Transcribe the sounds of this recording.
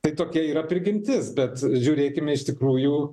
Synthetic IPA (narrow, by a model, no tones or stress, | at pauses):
t̪ɐɪt̪oːkʲiɛiːɾɐpʲɾʲɪɡʲɪmʲt̪ʲɪsbʲɛt̪ʒʲuːɾʲeːkʲɪmʲɪɪʃt̪ʲɪkɾuːjuː